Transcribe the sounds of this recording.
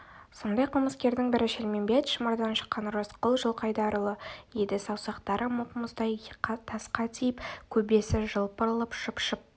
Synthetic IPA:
so̞nd̪ɑjqʰəlˠməskʲe̞ɾd̪ɪŋbɪɾɪʃelmembe̞t̪ʃəmɑɾd̪ɑnʃə̥qːɑnrosqəlˠʒəlˠqɑjd̪ɑɾəlˠəjed̪ɪsɑwsɑqt̪ɑɾəmʊqəməzd̪ɑjt̪ʰɑsqɑt̪ʰijɪpkʲʰɵbe̞sɪʒəlˠpəɾlˠəpʃəpʃəp̚

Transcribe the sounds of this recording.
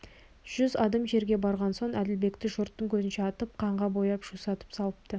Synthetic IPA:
ʒ̥ʏzɑd̪ɑmʒe̞ɾɡʲe̞bɑɾʁɑnso̞ɴʔæd̪ɪlbe̞kt̪ɪʒʊɾt̪ːəŋkʲʰɵzɪnʃeɑt̪əp̚qʰɑɴʁɑbo̞jɑpʒ̥usɑt̪ə̥psɑlˠəp̚t̪ə

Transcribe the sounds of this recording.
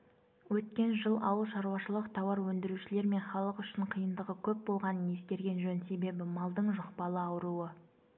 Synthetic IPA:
wɵt̪̚kʲe̞nʒəlˠʔɑwəlˠʃɑɾuwɑʃəlˠəqt̪ʰɑwɑɾwɵnd̪ɪɾuʃɪle̞ɾme̞nχɑlˠəqʏʃɪɴqʰijənd̪əʁəkʲʰɵp̚bo̞lˠʁɑnənje̞skʲe̞ɾɡʲe̞nʒɵnse̞be̞bɪmɑlˠd̪əɴʒʊqpɑlˠəɑwəɾuə

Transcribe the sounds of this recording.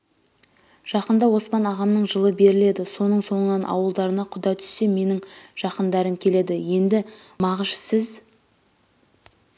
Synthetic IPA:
ʒ̥ɑqənd̪ɑwo̞spɑnɑʁɑmnəɴʒəlˠəbe̞ɾɪle̞d̪ɪso̞nəɴso̞ɴənɑnʔɑ̰wəlˠd̪ɑɾənɑqʰʊd̪ɑt̪ʰʏ̥sːe̞me̞nɪŋʒ̥ɑqənd̪ɑɾəŋkʲʰe̞le̞d̪ɪje̞nd̪ɪmɑʁəʒsɪz

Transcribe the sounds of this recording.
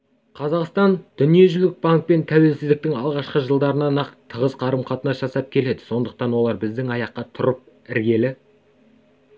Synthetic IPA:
qʰɑzɑqst̪ɑnd̪̥ʏnije̞ʒʏlɪk̚baŋk̚pe̞nt̪ʰæwe̞lsɪzd̪ɪk̚t̪ɪŋɑlˠʁɑʃqəʒəlˠd̪ɑɾənɑnɑqt̪ʰəʁəzqʰɑɾəmqʰɑt̪ənɑsʒ̥ɑsɑp̚kʲʰe̞le̞d̪ɪ̥so̞nd̪əq̚t̪ɑnwo̞lˠɑɾbɪzd̪ɪŋɑjɑqːɑt̪ʰʊɾəp̚ | ɪɾɡʲe̞lɪ

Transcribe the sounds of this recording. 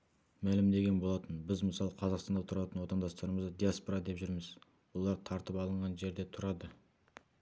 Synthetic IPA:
mælɪmd̪e̞ɡʲe̞nbo̞lˠɑt̪ənbɪzməsɑlˠəqʰɑzɑʁqst̪ɑnd̪ɑt̪ʰʊɾɑt̪ənwo̞t̪ɑnd̪ɑst̪ɑɾəməzd̪əd̪iaspoɾad̪e̞pʒʏɾmɪz | wo̞lˠɑɾt̪ʰɑɾt̪əpɑlˠəɴʁɑnʒe̞ɾd̪e̞t̪ʰʊɾɑd̪ə

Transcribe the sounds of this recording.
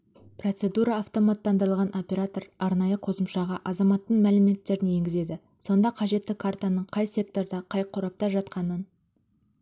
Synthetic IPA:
pro̞t̪se̞d̪uɾɑːft̪o̞mat̪ːɑnd̪əɾəlˠʁɑnʔo̞pʲe̞ɾat̪o̞rɑɾnɑjəqʰo̞səmʃɑʁɑʔɑzɑmɑt̪ːəɴmælɪme̞t̪ːe̞ɾɪnje̞ŋɡʲɪze̞d̪ɪ | so̞nd̪ɑqʰɑʒe̞t̪ːɪkʰart̪anəɴqʰɑjse̞k̚t̪o̞ɾd̪ɑqʰɑjqʰʊɾɑp̚t̪ɑʒɑt̪qɑnən

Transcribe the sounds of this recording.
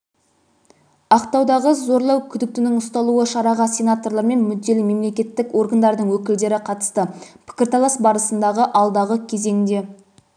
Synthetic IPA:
ɑqt̪ɑwd̪ɑʁəzo̞ɾlˠɑwkʲʰʏd̪ɪk̚t̪ɪnɪŋʊst̪ɑlˠuəʃɑɾɑʁɑsʲe̞nat̪o̞rlˠɑɾme̞nmʏd̪ːe̞lɪme̞mle̞kʲe̞t̪ːɪkwo̞rɡand̪ɑɾd̪əɴwɵkʲɪld̪e̞ɾɪqʰɑt̪ə̥st̪əpʰɪ̥kʲɪɾt̪ʰɑlˠɑsbɑɾəsənd̪ɑʁəʔɑlˠd̪ɑʁəkʲʰe̞ze̞nɪnd̪e̞

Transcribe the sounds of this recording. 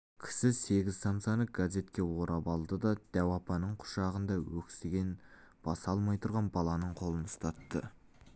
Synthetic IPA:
kʲʰɪ̥sɪse̞ɡʲɪzsant̪sjɑnəɡ̥azʲe̞t̪kʲe̞woɾʔɑbɑlˠd̪əd̪ɑd̪̥æwɑpɑnəɴqʰʊ̥ʃɑʁənd̪ɑwɵkʲsɪɡʲen | b̥ɑsɑlˠmɑjt̪ʰʊɾʁɑnbɑlˠɑnəɴqʰo̞lˠənəst̪ɑt̪ːə

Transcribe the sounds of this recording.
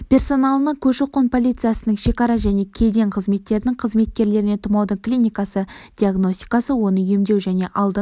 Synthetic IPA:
pʲe̞rso̞nalˠənəkʲʰɵʃoqːonpʰo̞lʲijt̪sɨjasənəŋʃe̞kɑɾɑʒæne̞kʲʰe̞d̪e̞ɴqʰəzme̞t̪ːe̞ɾɪnɪŋqʰəzme̞t̪̚kʲe̞ɾle̞ɾɪne̞t̪ʰʊmɑwd̪əklʲijnʲijkɑsəd̥̪ʲiaɡno̞sʲt̪ʲi̥kɑsəwo̞nəjemd̪e̞wʒæne̞ʔɑlˠd̪ə

